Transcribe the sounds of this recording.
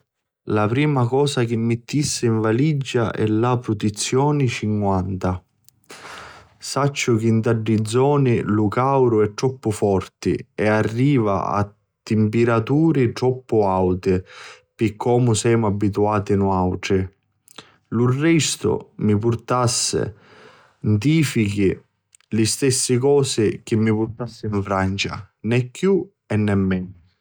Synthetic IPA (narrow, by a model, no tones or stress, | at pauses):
lapɾiːmakɔːsak̟ɪmːɪt̪ːisːɪiɱvalid͡ʒːa̰ʔɛ̰lapɾʊt̪it̪sːjɔːnɪt͡ʃiŋkwant̪a | sat͡ʃːʊk̟int̪aɖːid̪zːɔːnɪlukawɾʊɛt̪ːɾɔpːʊfɔrt̪ɪ̰ɛarːiːva̰a̰ | t̪ːɪmpɪɾat̪uːɾɪt̪ɾɔpːʊawt̪ɪ | pikʰːɔːmʊsɛjmʊabːit̪uaːt̪inʊawʈɾɪ | lurːɛst̪ʊ̰mipʊɾt̪asːɪ̰ | nt̪̬iːfik̟i | lɪst̪ɛsːɪkɔːsɪk̟ɪmːipʊɾt̪asːɪiɱfɾant͡ʃa̰nɛkːju | ɛnːɛmːɛnʊ